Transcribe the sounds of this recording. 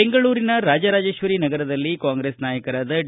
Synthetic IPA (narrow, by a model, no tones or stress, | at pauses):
eŋɡɐɭuːɾinɐɾaːd͡ʒɐɾaːd͡ʒeːʃʋɐɾinɐɡɐɾɐd̪ɐlːikaːŋɡɾeːsnaːjɐkɐɾaːd̪ɐ